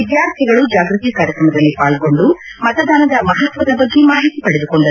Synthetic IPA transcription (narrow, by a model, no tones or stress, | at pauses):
id̪jaːɾt̪ʰiɡɐɭud͡ʒaːɡɾut̪iːkaːɾjɐkɾɐmɐd̪ɐlːipaːɭko̞ɳɖu | mɐt̪ɐd̪aːnɐd̪ɐmɐɦɐt̪ʋɐd̪ɐbɐɡːemaːɦit̪ipɐɽed̪uko̞ɳɖɐ